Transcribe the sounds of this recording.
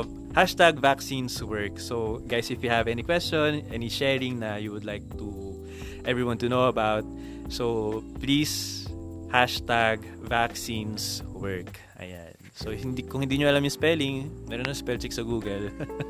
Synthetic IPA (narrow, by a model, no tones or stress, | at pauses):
haʃt̪aɡvaksĩnswɛɹksoɡajsɪfjuhɐvɛnikwɛst͡ʃɔ̃nʔɛniʃɛɹɪŋnɐjuwʊd̪lajk̚t̪u | ʔɛvɹiwɐ̃nt̪unowɐbawt̪̚ | soplis | haʃt̪aɡvaksĩnswɛɹk | ʔɐ̰ja̰nsohɪnd̪ikʊŋhɪnd̪iːɲoɐlamjʊspɛlɪŋmɛɾonɐspɛlt͡ʃɪksɐɡuːɡɛl